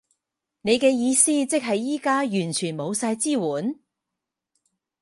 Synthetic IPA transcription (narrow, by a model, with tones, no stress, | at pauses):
ne˨˧jkɛː˧jiː˨˧siː˥t͡sɪ˥k̚ɦɐ˨jiː˥kaː˥jyː˨˩nt͡ʃʰyː˨˩nmo˨˧wsaː˧jt͡siː˥wuː˨˥n